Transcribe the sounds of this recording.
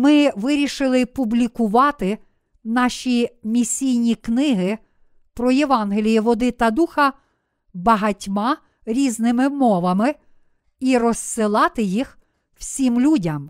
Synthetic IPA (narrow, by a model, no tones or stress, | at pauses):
mɪʋɪɾʲiʃɪlˠɪpublʲikʊʋɑt̪ɪ | nɑʃʲimʲisʲijnʲiknɪɦɪ | pɾɔjeʋɑnɦelʲijiʋɔd̪ɪt̪ɐd̪uxɐ | bɐɦɐtʲmɑ | ɾʲiznɪmɪmɔʋɐmɪ | iɾɔssɪlˠɑt̪ɪjix | w̥sʲimlʲudʲɐm